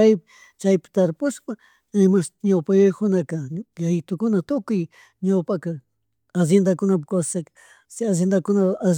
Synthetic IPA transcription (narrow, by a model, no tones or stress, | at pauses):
aj | t͡ʃajpɪ̥t̪aɾpʊspa | ɪmasɲawpajojkʊnakaʎajɪt̪ʊkʊnat̪ʊkʊj | ɲawpaka | as̬jend̪akʊnapkassak | sas̬jend̪akʊnaa